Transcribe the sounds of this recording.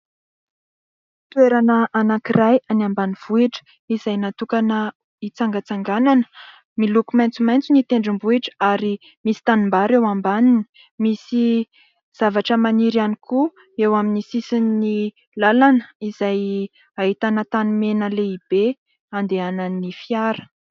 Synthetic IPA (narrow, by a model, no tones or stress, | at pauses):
it̪ueɾanəʔanakirajanambaniv̥uiʈ͡ʂə̥ | izajnat̪ukanə | it͡saŋɡət͡saŋɡananə̥ | milukumajnt͡sumajnt͡sunit̪eɳɖ͡ʐimbuiʈ͡ʂə̥aɾi | misi̥t̪animbaɾewambanini̥ | misi | z̥avaʈ͡ʂəmaniɾanikʰu | ewaminisisinːi | lalanəizaj | aɦit̪anət̪animenəleib̥e | and̪eananifiaɾə̥